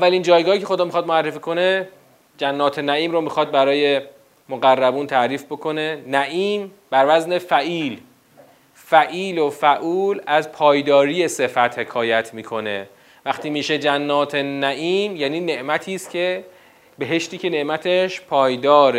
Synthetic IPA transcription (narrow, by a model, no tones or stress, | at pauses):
ʔævːælind͡ʒɒːjɡɒːhiːcʰe̞xod̪ɒːmixɒːd̪̚moærːefiːkʰo̞ne | d͡ʒænːɒːt̪ʰenæʔiːmɾomiːxɒd̪̚bæɾɒːje̞ | moɣærːæbuːnt̪ʰæʔɾiːfbo̞kʰo̞ne̞næʔiːm | b̥æɾvæzne̞fæʔiːl | fæʔiːlofæʔuːlæzpʰɒːjd̪ɒːɾiːje̞se̞fæt̪he̞kʰɒːjæt̪ʰmiːkʰo̞ne̞̰ | væχt̪ʰiːmiːʃe̞d͡ʒænːɒːt̪ʰenæʔiːmjæːniːne̞ʔmæt̪ʰiːst̪cʰe̞ | be̞ɦe̞ʃt̪iːcʰe̞ne̞ʔmæt̪ʰe̞ʃpʰɒːjd̪ɒːɾe